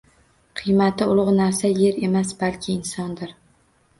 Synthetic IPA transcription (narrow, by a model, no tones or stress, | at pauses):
qʰɨjmat̪ɪʊlˠʁnaɾsaje̞ɾe̞masbalkʲʰɪɪnsɒnd̪ɪɾ